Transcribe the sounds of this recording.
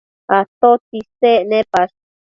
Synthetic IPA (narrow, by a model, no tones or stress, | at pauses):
at̪ot̪isenẽpas